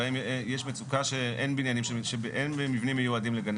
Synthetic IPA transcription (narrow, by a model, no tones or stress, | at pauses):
aimjeʃmet͡sukaʃeʔenbinjanimʃeʃebeʔenbemivnimejuadimleɡan